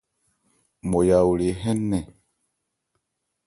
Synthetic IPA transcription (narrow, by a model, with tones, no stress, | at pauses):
mo˨ja˨wu˨le˨ɦɛ˦nːɛ˨